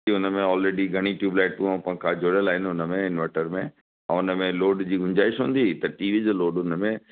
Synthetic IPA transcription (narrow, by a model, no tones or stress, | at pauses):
iʊnəmẽɔːlɾeːɖiɡʱɐɽ̃iʈjuːblaːɪʈtũãpɐ̃kʰãd͡ʑʱoɽjəlaːɦɪnʊnəmẽɪnʋəʈəɾmẽ | ɛ̰̃ːʊnəmẽloːɖd͡ʑiːɡʱʊ̃ɲd͡ʑaːɪʃɦũːnd̪it̪ɐʈiːʋid͡ʑoːloːɖʊnəmẽ